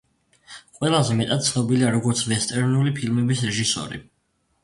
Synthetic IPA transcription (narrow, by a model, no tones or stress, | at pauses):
qʼwɛlˠazɛmɛt̪ʼad̪̚t̪sʰnɔbiliaɾɔɡɔɾt̪sʰvɛst̪ʼɛɾnulipʰilmɛbisɾɛʒisɔ̰ɾḭ